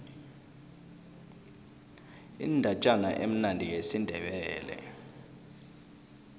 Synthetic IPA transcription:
ḭndʱat͡ʃʼanaʔem̩nandʱijesindʱɛɓɛːlɛ̰

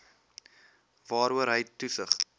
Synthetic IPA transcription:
vɑːɾuəɾɦəjtusəχ

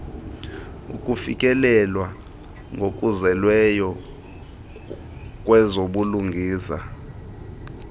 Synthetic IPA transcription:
ṵkʼufikʼɛlɛlwa | ŋɡʱokʼuzɛlwɛjɔ | k̬ʼwɛzoɓuluŋɡʱiːsa̰

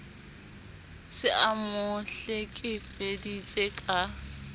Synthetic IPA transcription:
sɪʔamʊɬɛkʼɪfedit͡sʼekʼa

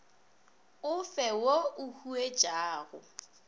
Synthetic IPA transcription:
ʊfɛwoʊhuet͡ʃʼaːɣʊ

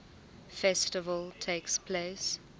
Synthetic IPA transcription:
fɛstɪvəltʰekspʰleːs

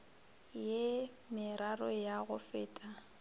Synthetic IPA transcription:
je | mɪɾarɔjaɣʊfɪːtʼa

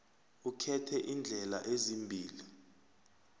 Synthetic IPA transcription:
ukʰɛtʰɛʔind͡ɮʱɛla̰ʔezimbʱiːli

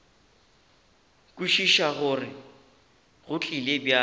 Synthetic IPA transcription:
kʼuʃiʃaɣʊrɪ | ɣʊt͡ɬʼilebja

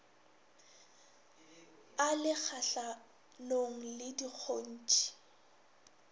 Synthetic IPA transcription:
alɪk͡xʰaɬa | loŋ̩lɪdik͡xʰon̩ːt͡ʃʼi̥

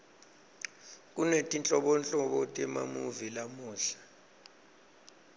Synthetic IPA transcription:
k̬ʼunetʼint͡ɬʼɔɓɔnt͡ɬʼɔɓɔtʼɛma̰muvilamuːɬḁ

